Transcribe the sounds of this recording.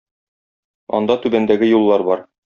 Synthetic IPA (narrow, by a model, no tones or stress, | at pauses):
ɒ̰nd̪ɑt̪ʉbænd̪æɡɘjulˠːɑɾbɒɾ